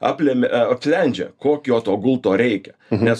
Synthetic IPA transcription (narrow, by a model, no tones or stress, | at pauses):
ɐ̰pʲlʲɛmʲɐpʲfʲlʲɛnʲd͡ʒʲɛ̰koːkʲːoːt̪oːɡʊlˠt̪oːɾʲɛɪkʲɛ̥nʲɛs